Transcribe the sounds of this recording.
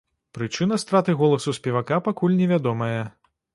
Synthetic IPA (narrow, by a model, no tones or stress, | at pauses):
pɾɨt͡ʂɨnɐst̪ɾat̪ɨɣɔlˠɐsusʲpʲɛvakapakulʲnʲɛvʲad̪ɔmɐjɐ